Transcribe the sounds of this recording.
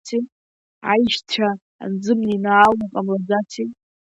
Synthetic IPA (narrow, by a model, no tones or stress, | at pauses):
t͡sʰi | a̰jʃtʷʰa | a̰nd͡zɨmninaːlakʼamlad͡zat͡sʰi